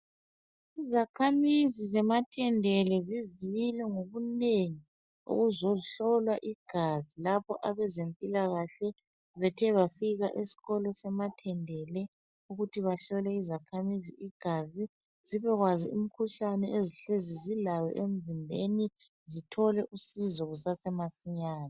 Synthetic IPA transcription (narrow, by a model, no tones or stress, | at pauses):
izakʰamizizɛmatʰɛndʱɛlɛziziilɛŋoɣuneŋi | ṵɣuzoiɬɔlwaʔiɡ̥ʱazilapʰɔʔaβɛzempʼilaɣaɬɛ | βɛtʰɛβafiɣaʔesi̥ɣɔlɔsɛmatʰɛndʱɛlɛ | uɣutʰiβaɬɔlɛizakʰamizḭʔiɡ̥ʱazi | ziβɛɣwazium̩kʰuɬanɛʔeziɬezizilajɔ̰ʔem̩zimbʱeni | zitʰɔlɛʔusizɔɣusasɛmasiɲaːna